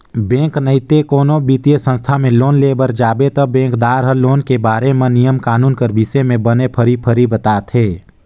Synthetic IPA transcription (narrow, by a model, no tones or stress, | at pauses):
bẽːŋknəɪt̪ekoːnobit̪ijəsə̃nst̪ʰamẽloːnleːbəɾd͡ʒaːbet̪ɔbẽːkd̪aːɾɦəloːnkebaːɾemẽnijəmkaːnuːnkəɾbisemẽbənepʰəɾipʰəɾibət̪aːt̪ɦeː